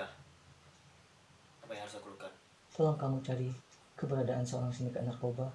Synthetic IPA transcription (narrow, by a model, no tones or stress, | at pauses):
apajahaɾusakulukan | səlaŋkamut͡ʃaɾi | kəbəɾadaʔansəoɾaŋsinəkanarkoba